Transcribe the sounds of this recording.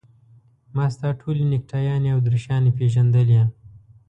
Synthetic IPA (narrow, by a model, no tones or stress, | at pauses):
mɑːst̪ɑːʈʰolinɪk̚ʈʰajɑːniawd̪ɾiʃɑːnipeʒand̪əlija